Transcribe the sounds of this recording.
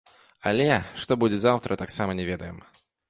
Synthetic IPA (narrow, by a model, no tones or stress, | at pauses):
ɐlʲɛʂt̪ɔbud͡zʲɛzawt̪ɾɐt̪aksamɐnʲɛvʲɛd̪ɐjɛ̰m